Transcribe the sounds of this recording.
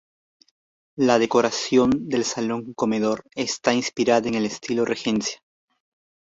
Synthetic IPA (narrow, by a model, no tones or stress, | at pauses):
laðe̞ko̞ɾasjo̞nd̪e̞lsalo̞ŋko̞me̞ð̞o̞ɾe̞st̪ainspiɾaðaeŋe̞lest̪ilorʔexe̞nsjḁ